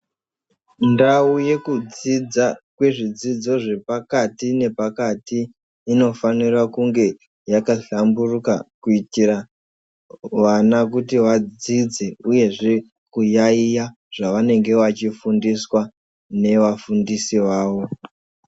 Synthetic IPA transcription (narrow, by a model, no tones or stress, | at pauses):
ndauje̞kud͡zid͡zakwe̞ʐid͡zid͡zo̞ʐe̞pakatine̞pakatiː | no̞fanirwakuŋɡe̞ | jakaɬamburukakuitira | ʋanak̬utiʋad͡zid͡ze̞uje̞ʐe̞ | kujaija | ʐ̥aʋane̞ŋɡe̞ʋat͡ʃifundiswa | ne̞ʋafundisiʋaːʋo̞